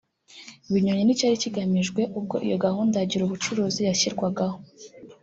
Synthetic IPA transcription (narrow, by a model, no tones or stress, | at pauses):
iβiɲoɲenicaːɾiciɡamiʒɡwe̞ʔub̚ɡo̞̰ʔḭjo̞ɡahuːndaɟiɾuβut͡ʃuɾuːzijaçiɾɡwaɡaho̞